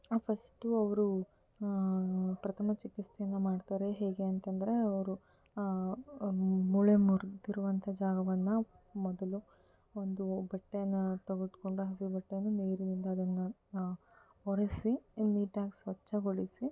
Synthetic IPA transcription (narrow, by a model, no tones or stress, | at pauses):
pʰɐsʈuɐʋɐɾu | pɾɐt̪ʰɐmɐt͡ʃikist̪ʰejɐnːɐmaːɖt̪aːɾe̞ɦeːɡe̞ɐnt̪ɐnd̪ɐɾe̞ɐʋɐɾu | muɭemuɾd̪iɾuʋɐnt̪ʰɐd͡ʒaːɡɐʋɐnːɐ | mɔd̪ɐlu | ond̪ubɐʈːejɐnːɐt̪ɐɡut̪koɳɖuɦɐs̬ibɐʈːejɐnːuneːɾinind̪ɐːd̪ɐnːɐ | ɦɔɾesiniːʈaːɡisʋɐt͡ʃːɐɡoɭisi